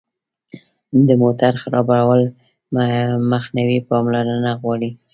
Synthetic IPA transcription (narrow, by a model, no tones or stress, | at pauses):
d̪əmot̪aɾxaɾɑbaɽawəl | maxnawipɑmlaɾənaɣwɑɽi